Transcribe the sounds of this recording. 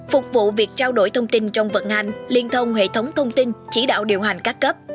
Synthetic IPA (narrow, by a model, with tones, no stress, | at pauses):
fʊ˨˩k͡p̚vṵ˧˨vi˨˩ək̚t͡ɕaː˧wɗo̰˧˩jt̪ʰə˧wŋ͡mt̪i˧nt͡ɕɔ˧wŋ͡mvə̰˧˨n̚ha˧˩jŋ̟li˧ənt̪ʰə˧wŋ͡mhḛ˧˨t̪ʰə˨˦wŋ͡mt̪ʰə˧wŋ͡mt̪i˧nt͡ɕḭ˧˩ɗa̰ː˧˨wɗḭ˧˨əwɦa˨˩jŋ̟kaː˦˥kkə˦˥p̚